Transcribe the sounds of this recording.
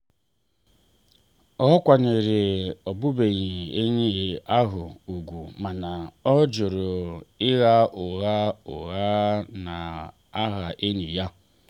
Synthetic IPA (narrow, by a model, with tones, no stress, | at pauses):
ɔ˦kʷa˨ne˨ɾɪ˨ɔ˨bʊ˦be˨ɲi˨e˦ɲi˦˨a˦ɦʊ˨u˨ɡʷu˨ma˨na˨ɔ˦d͡ʒʊ˨ɾʊ˨ɪ˦ɣa˦ʔʊ˨ɣa˦ʊ̰˨ɣa˦na˨ | a˦ɦa˨ʔe˦ni˨ja˦